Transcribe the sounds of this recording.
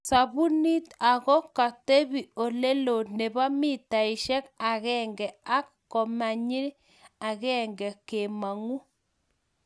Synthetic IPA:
sa˨βu˦ni˦ta˨ɣɔ˦ka˨te˦βi˨o˨le˦lo˨ne˨βa˦mi˦ta˨i˨ʃɛ˦ka˨ɣɛ˦ŋɡɛ˨a˦k | ko˨ma˨ɲi˦ɾ | a˨ɣɛː˦ŋɡɛ˨ke˨ma˨ŋu˦

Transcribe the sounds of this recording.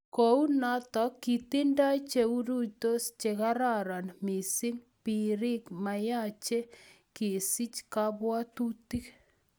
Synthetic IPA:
kou˦na˦t̪ɔ˨kːi˨ti˦nda˦t͡ʃe˨u˦ɾu˦to˦st͡ʃeka˦ɾaɾa˨nmi˨si˦ŋ | pi˨ɾi˦kma˨ja˦t͡ʃe˦ | ke˨si˦t͡ʃkabwa˦tu˦ti˦k

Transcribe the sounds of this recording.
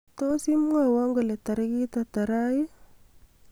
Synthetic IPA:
to˦si˦m˦ŋa˨wa˦ŋɡə˨le˨ta˨ɾi˦ki˦ta˨ta˨ɾa˦ji˦

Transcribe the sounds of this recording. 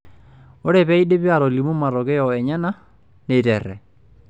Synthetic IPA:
o˦ɾɛ˨pɛ˦i˦de˦pi˦a˨ɾo˨li˨mo˦ma˨ɾɔ˨kɛ˦jɔ˨ɛ˨ɲɛ˦na˦ | ne˨tɛ˨ɾɛ̰˨

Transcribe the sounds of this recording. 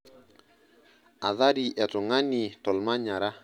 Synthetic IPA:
a˨ða˦ɾi˨ʔɛ˨tʊ˨ŋa˦ni˨tɔ˨lma˦ɲa˨ɾa˦

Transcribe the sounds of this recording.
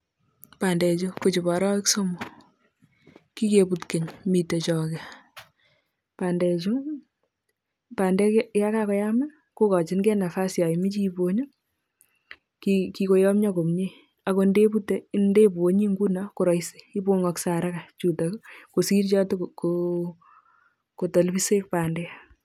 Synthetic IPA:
pa˨ndɛ˨t͡ʃu˦kot͡ʃɪ˨bɔ˨ɾɔ˦ɪ˦kso˦mu˨ | ki˦ke˨pu˨tke˨ɲmi˨te˨t͡ʃɔ˨kɛ | pa˨ndɛ˨t͡ʃu˦ | pa˨ndɛ˦kja˦ka˦kɔ˦ja˦ma˦n | ko˦kɔ˨t͡ʃɪ˦nkɛ˦na˨fa˦sja˨imɪ˦t͡ʃibo˦ɲɔ˦ | kiki˨ko˦jɔ˦mɲɔ˦ko˨mɲe | a˨ko˨nde˦pute˦nde˦bu˨o˦ɲi˦ŋɡu˦nako˦ɾɔ˨jse̥˨i˦bo˦ŋɔ˨ksa˨ɾaka˨t͡ʃu˨tako˨si˦ɾt͡ʃɔ˦tko | ko˨tɔ˨lbi˦se˦k̚pa˨ndɛ˦

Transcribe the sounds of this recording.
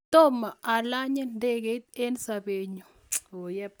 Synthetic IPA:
t̪o˦ma˨ʔa˨la˦ɲɛ˦nde˦ɡe˨˦t̪e˦nsa˨be˨ɲo˨ | o˨jɛ˦

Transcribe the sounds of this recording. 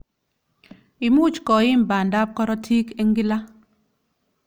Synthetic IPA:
i˨mu˦t͡ʃkɔ˨ɪ˦mba˨nda˦p̚kɔ˦ɾɔ˦tʰi˦ke˦ŋɡi˦la˦

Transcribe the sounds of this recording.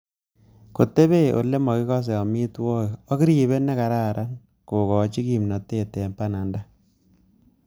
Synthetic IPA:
ko˨tːe˦be˦ʔo̰˨le˦mɔ˨ki˦kɔ˦s̬e˨ɔ˨mi˦twɔ˦ɔ˦ki˦ɾi˨βe˦ne˦ka˨ɾa˦˨ɾʔa˦n | ko˨kɔ˨˦t͡ʃi˦ki˨mnɔ˨tːe˦te˨mpa˦na˨nda˦

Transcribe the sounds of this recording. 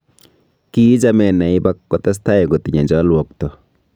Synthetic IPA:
kiː˦d͡ʒamɛ˨na˨i˦bakːɔ˨t̪a˦s̬t̪a˦e˨ɡo˨t̪i˨ɲa˨d͡ʒɔ˦lwɔ˨k̚tɔ

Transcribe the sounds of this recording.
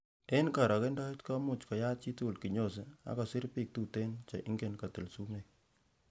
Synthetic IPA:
e˦nka˨ɾɔ˨ke˦ndɔ˦i˦tkɔ˦mʊ˨t͡ʃkɔ˨ja˦t͡ʃi˦tu˦˨lki˨ɲo˦˨s̬e˦a̰˦kɔ˨si˦ɾpi˦˨k̚tu˦te˦nt͡ʃe˨ʔɪ̰˦ŋɡe˦˨nka˨tɪ˨lsu˦me˨k

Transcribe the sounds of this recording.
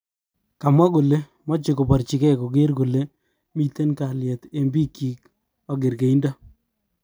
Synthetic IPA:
ka˨mwa˦ko˨le˦ | mɔ˦t͡ʃɪ˨ko˨pɔ˨ɾt͡ʃɪ˨kɛ˦ko˨ɡe˦ɾɡo˨le˦ | mi˨te˦nka˨lɪjɛ˨te˨˦mbi˦ki˨k | ɔ˨ɡɪ˨ɾke˨i˦nda˦

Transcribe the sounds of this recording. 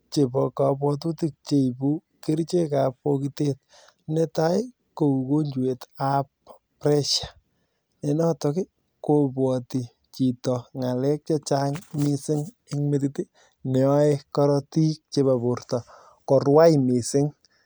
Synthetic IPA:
t͡ʃe˨pɔ˨ka˨pwɔ˦t̬u˦ti˦k̚t͡ʃe˦ipu˦ | kɪ˦ɾt͡ʃe˦ka˨pokitet̚ | nɛ˦ta˦j | ko˨u˨ko˦ɲd͡ʒu˨e˨tap | pɾɛ˦ʃḁ˨ | ne˨nɔ˦tɔkɪ˦ | ko˨pwɔ˨ti˨ | t͡ʃi˨tɔ˨ŋa˨lɛ˦k̚t͡ʃa˦t͡ʃaŋmɪsɪ˦ŋ | ɪ˦kmetiti˦ | nɛ˨ɔ˦e˦kɔ˦ɾɔti˦k̚t͡ʃe˨ba˨bu˨ɾtɔ˨ | kɔ˨rwa˦jmi˨sɪ˦ŋ

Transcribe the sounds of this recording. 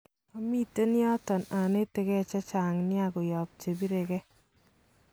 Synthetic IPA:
ɔ˨mi˦te˦nɪ˦ɔ˦tɔ˨na˨ne˦te˦kɛ˦t͡ʃɛ˦t͡ʃaː˨ŋnɪ˦a˦˨ɡʊ˨jɔ˨p̚t͡ʃe˨bi˦ɾe˨kɛ˦

